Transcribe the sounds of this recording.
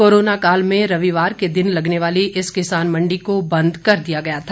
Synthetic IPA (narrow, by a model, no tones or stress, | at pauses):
oːɾoːnakaːlmẽɾɐʋiʋaːɾked̪ɪnlɐɡneʋaːliʔɪskɪsaːnmɐ̃ɳɖikobɐ̃nd̪kɐɾd̪ijaɡɐjat̪ʰa